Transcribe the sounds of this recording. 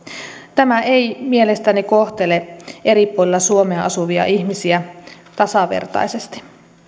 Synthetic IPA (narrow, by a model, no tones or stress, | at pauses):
t̪æmæejmielest̪ænikoht̪elee̞ɾipːˑolilːɑsuomeɑʔɑsuʋiɑ̰ʔiçmisiæ | t̪ɑsɑʋḛrt̪ɑ̰jsest̪i̥